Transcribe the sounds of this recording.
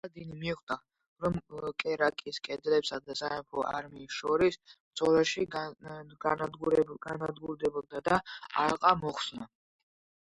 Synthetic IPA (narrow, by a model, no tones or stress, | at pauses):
d̪inimiuχd̪a | ɾɔmkʼɛɾakʼiskʼɛd̪ɾɛpsad̪asaɛpʰɔʔa̰ɾmiːsʃɔɾismd̪zʼɔlɛʃi | aɡanad̪ɡuɾd̪ɛbɔb̚d̪ad̪aa̰ɾqʼamɔχsna